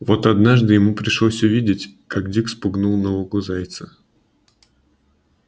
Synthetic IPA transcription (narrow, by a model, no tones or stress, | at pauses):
vo̞t̪ɐd̪naʐd̪ɨjɪmupɾʲɪʂlˠosʲʊvʲidʲɪtʲkakdʲikspʊɡnulˠnovəɡʊzajt̪sə̥